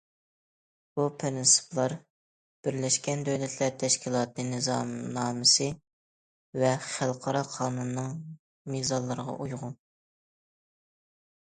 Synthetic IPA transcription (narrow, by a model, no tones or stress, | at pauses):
b̥upʰɪɾɪnsɨ̥pʰlˠɑɾ | b̥ɪɾlɛʃkʲɛnd̪øwlɛt̪ʰlæɾt̪ʰːɛʃkʲʰilˠɑːt̪ɨnɨzɑmnɑːmɨsɨ | vɛχælˠqʰɑɾɑqʰɑːnunːɨŋ | mizɑlˠːəɾəʁɑ̰ʔujʁʊn